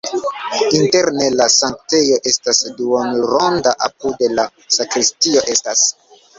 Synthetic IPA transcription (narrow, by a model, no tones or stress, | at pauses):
inte̞ɾne̞lasaŋkte̞jo̞ʔe̞stasduonuɾo̞ndaʔapudela | sakɾistio̞ʔe̞stas